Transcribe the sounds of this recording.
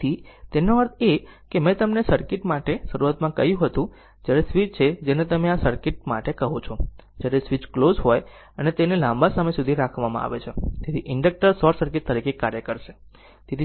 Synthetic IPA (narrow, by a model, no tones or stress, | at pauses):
it̪enoəɾt̪ʰekemɛ̃t̪əmnesəɾkɪʈmaʈeʃəɾuat̪mãkəjũɦət̪ũ | d͡ʒjaɾesʋit͡ʃt͡ʃʰed͡ʒenet̪əmeasəɾkɪʈ̚ma̰ʈekəɦõt͡ʃʰɔd͡ʒjaɾesʋit͡ʃklozɦoj | ənet̪enelãmbasamesud̪ʱiɾakʰʋamã̰a̰ʋet͡ʃʰet̪et̪ʰiʔɪɳɖək̚ʈəɾsɔɾsəɾkɪʈ̚t̪əɾikekaɾjəkəɾʃe | t̪et̪ʰi